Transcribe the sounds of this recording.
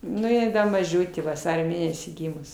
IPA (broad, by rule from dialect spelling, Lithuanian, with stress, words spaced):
ˈnʊ jɪ ˈdɐ mɐˈʒʲʊtʲeː ʋɐˈsɑːrʲoː ˈmʲeːnʲɛsʲiː ˈɡʲiːmʊs